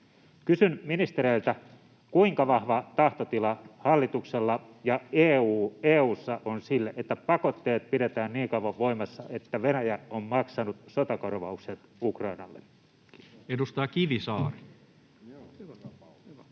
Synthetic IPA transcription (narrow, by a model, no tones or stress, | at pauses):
kysynminist̪eɾeilt̪æ | kuiŋkɑʋɑhʋɑt̪ɑht̪ot̪ilɑhɑlːit̪ukselːɑjɑeːuːeːuːsːɑʔonsilːeʔet̪ːæpɑko̞t̪ːeːt̪̚pidet̪æːnniːŋkɑuʋɑʋʋoimɑsːɑʔet̪ːæʋenæjæommɑksɑnut̪sot̪ɑkorʋɑukset̪ukrɑinɑ̰lːe | edust̪ɑːkiʋisɑːri